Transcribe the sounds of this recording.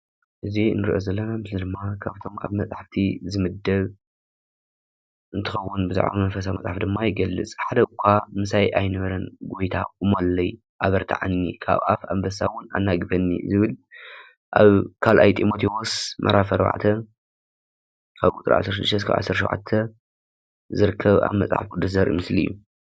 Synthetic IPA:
ʔɨzinːɨɾʔozɐlːɐnamɨslid̪ɨmːakʰaβt̪ʰo̞ma̰βmɐt͡sʼaħaft̪ʰizɨmɨd̪ɐβ | ʔɨnt̪ʰɨxɐwːʊnbɨzṵʕʔa̰mɐnfɐs̬amɐ̰t͡sʼaħafd̪ɨmːajɪɡɐlːɨ̰t͡sʼħad̪ɐkʷʰːamɨsajʔajnɐβɐɾɐnɡojt̪ʰa̰ɨmolːɐj | ʔaβɐɾt̪ʰa̰ʕa̰nːikʰa̰βʔa̰fambɐsawʊna̰nːaɡɨfɐnːḭzɨβɨl | ʔaβkʰalʔajt̪ʼimo̞t̪ʰiwosmʔɐ̰ɾʔafɐɾba̰ʕt̪ʰɐ | kʰaβkʼut̪ʼɨɾʕa̰sːɐɾʃɨd̪ːɨʃt̪ɐskʰa̰βʕa̰sːɐɾʃo̰wʕa̰t̪ʰːɐ | zɨɾɨkʰːɐβa̰βmɐ̰t͡sʼħa̰fkʼud̪ːuszɐɾ̰mɨslḭjːṵ

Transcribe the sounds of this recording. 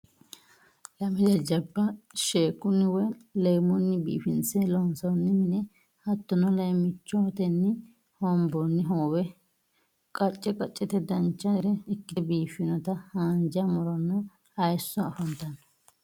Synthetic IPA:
lɐmɪd̪ɛd͡ʒɐbːɐʃeːkːʊnːɪwɛlejmɔnːɪbḭːfɪnsɛlɔnsɔnːɪmɪnɛ | hɐt̪ːɔnɔlɐjmɪt͡ʃːɔt̪ɛnːɪ | hɔmbɔnːɪɦoːwɛ | kʼɐt͡ʃʼːɛkʼɐt͡ʃʼːɛt̪ɛd̪ɐnt͡ʃːɐɾɛɪkːɪbiːfɪnɔt̪ɐhaːnd͡ʒɐmɔɾɔnːɔ | ɐjsːɔɐfɐnt̪ɐnɔ̥

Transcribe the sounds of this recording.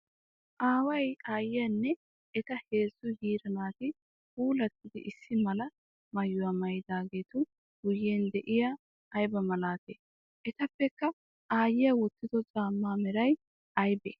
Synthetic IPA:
ʔaːwɐjaːjɪjɐnːɛ | ɛt̪ɐhe̞ːzːʊhiːɾɐnaːt̪ɪ | huːlɐt̪ːɪd̪ɪ̰ʔɪsːɪmɐlɐ | mɐjːʊwɐmɐjɪd̪aːɡe̞ːt̪ʊ | ɡ̥ʊjːeːnd̪ɛʔɪjaː | jbɐmɐlaːt̪eː | ʔɛt̪ɐpːɛkːɐ | aːjɪjɐwɔt̪ːɪd̪ɔt͡sʼaːmːaːmɛɾɐj | ɐjbḛː

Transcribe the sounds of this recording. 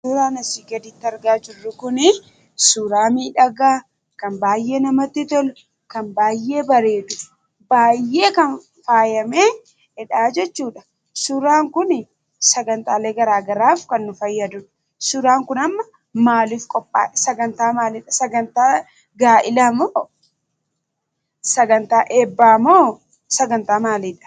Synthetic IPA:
uːɾaːnɐsiːɡɐd̪ɪt̪ːɐɾɡaːd͡ʒɪrːʊkʊnɪ | suːɾaːmiːᶑɐɡaː | kɐnbaːjːe̞ːnɐmɐt̪ːɪt̪ɔlʊ | kɐnbaːjːe̞ːbɐɾe̞ːᶑʊ | baːjːe̞ːkɐn | faːjɐmeː | ɛᶑaːd͡ʒɛt͡ʃːuːᶑɐ̥ | sʊɾaːŋkʊnɪ | sɐɡɐnt̪aːleːɡɐɾaːɡɐɾaːfkɐnːʊfɐjːɐd̪ʊᶑɐ̥ | sʊɾaːŋkʊnɐmːɐ | maːliːfkʼɔpʼːa̰ːsɐɡɐnt̪aːmaːlɪᶑɐsɐɡɐnt̪aː | ɡaːʔɪlɐmoː | sɐɡɐnt̪aːʔeːbːaːmoː | sɐɡɐnt̪aːmaːliːᶑɐ̥

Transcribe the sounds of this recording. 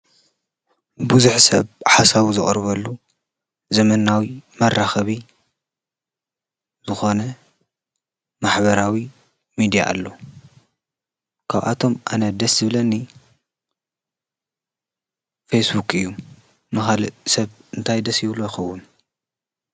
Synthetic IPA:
buzuħsɐ̰βħasaβuzɨχʼɾβɐlːu | zɐmɐnawimɐrːaxɐβi | zɨxo̞nɐ | maħbɐɾawi | mid̪ija̰ʔːlːo̞ | kʰaβʔa̰t̪ʰo̞mʔanɐd̪ɐsɨβlɐnːi | fesbukɨjːu | nɨxalɨsɐβɨnt̪ʰajd̪ɐsjɪβlojɪxɐwːʊn

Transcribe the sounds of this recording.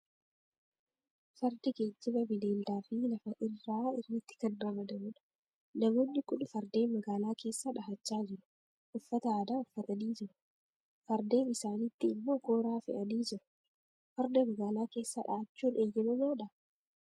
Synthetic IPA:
fɐɾd̪ɪɡe̞ːd͡ʒːɪbɐbɪd̪e̞ːld̪aːfɪlɐfɐʔɪrːaːɪrːɪt̪ːɪ̥kɐnrɐmɐd̪ɐmʊᶑɐ̥ | nɐmo̞ːnːɪkʼʊᶑʊfɐɾd̪e̞ːnmɐɡaːlaːke̞ːsːaːᶑɐhɐt͡ʃːaːd͡ʒɪɾʊ̥ | ʔʊfːɐt̪ɐaːd̪aːʊfːɐt̪ɐniːd͡ʒɪɾʊ̥ | fɐɾd̪e̞ːnɪsaːnɪt̪ːɪːmːo̞ːko̞ːɾaːfɪ̰ʔɐniːd͡ʒɪɾʊ̥ | fɐɾd̪ɐmɐɡaːlaːke̞ːsːaːᶑa̰hɐt͡ʃːuːneːjːɛmɐmoːᶑɐ

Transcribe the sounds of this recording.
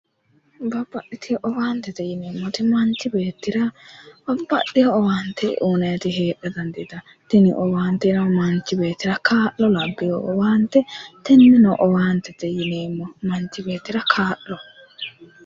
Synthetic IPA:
bɐbːɐɗːɪt̪ʰɪjɔʔɔwaːnt̪ɛt̪ɛjɪneːmːɔt̪ɪmɐnt͡ʃɪbeːt̪ːɪɾɐbɐbːɐ̰ɗɪjɔːwaːnt̪ːɛ̰ʔuːnɐjɐt̪ɪɦeːʔːɛd̪ɐnd̪ɪd̪ɐ | t̪ɛnɪʔɔwaːnt̪ːɛɾɐmɐnt͡ʃːɪbe̞ːt̪ːɪɾɐkʰaːʔlːɔlɐbːɪjɔːwaːnt̪ɛt̪ɛnːɛnɔʔɔwaːnt̪ːɛt̪ɛjɪneːmːɔmɐnt͡ʃːɪbe̞ːt̪ːɪɾɐkʰaːʔɔ

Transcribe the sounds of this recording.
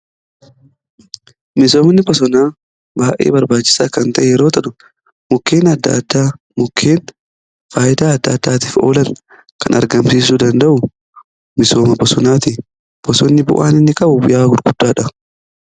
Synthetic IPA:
mɪso̞ːmnːɪbɔsɔnaː | baːʔḛːbɐɾbaːt͡ʃːɪ̥saːkɐnt̪ɐʔɛjɛɾo̞ːt̪ɐᶑʊ | mʊkːeːnɐd̪ːa̰d̪ːaː | mʊkʰːeːn | faːjɪd̪aːɐd̪ːaːd̪ːaːt̪iːfo̰ːlɐn | kɐnɐ̰ɾɡɐmsiːs̬uːd̪ɐnd̪ɐʔʊ | mɪso̞ːmɐbɔsɔnaːt̪i | b̥ɔsɔnːɪbʊ̰ʔaːnɪnːɪkʼɐbʊbʊjaːɡʊɾɡʊd̪̥ːaːᶑɐ

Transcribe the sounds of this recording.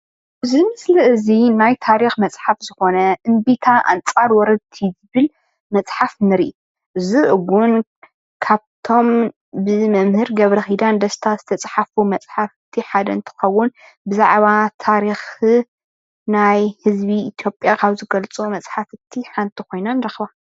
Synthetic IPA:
bɨzɨmɨslɨɨzinajt̪ʰaɾixmɐt͡sʼħafz̥ɨxo̞nɐʔɨmbit̪ʰaʔa̰nt͡sʼaɾwɔɾɐd̪t̪ʰizɨβɨl | mɐt͡sʼħafnɨɾiʔ | ʔɨziʔɨɡun | kʰaβt̪ʰo̞m | bɨmɐmhɨɾɡɐβɾɐxid̪and̪ɐst̪ʰaz̥ɨt̪ʰɐt͡sʼħafumɐt͡sʼħafɨt̪ʰːiħad̪ɐɨnt̪ʰɨ̥xɐwːʊn | bɨzaʕβat̪ʰaɾix | najhɨzβiːt̪ʰjo̞pʼjakʰaβzɨɡɐlt͡sʼumɐt͡sʼħafɨt̪ʰːiħant̪ʰikʰo̞jnanɨɾɐxβa

